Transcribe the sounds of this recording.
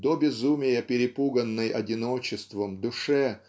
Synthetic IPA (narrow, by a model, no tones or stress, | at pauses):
d̪obʲɪzumʲɪjəpʲɪɾʲɪpuɡənːɨjɐdʲɪnot͡ɕɪst̪vəmd̪ʊʂɛ